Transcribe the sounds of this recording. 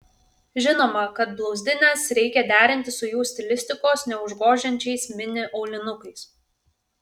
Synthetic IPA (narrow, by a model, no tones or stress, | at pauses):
ʒʲɪnoːmɐkɐt̪̚blˠɒʊzʲd̪ʲɪnʲɛsɾʲɛɪkʲɛd̪ʲæːɾʲɪnʲt̪ʲɪsʊjuːsʲt̪ʲɪlʲɪsʲt̪ʲɪkoːsnʲɛʊʒɡoːʒʲɛnʲt͡ʃʲɛɪsmʲɪnʲɪʔɒʊlʲɪnʊkɐɪs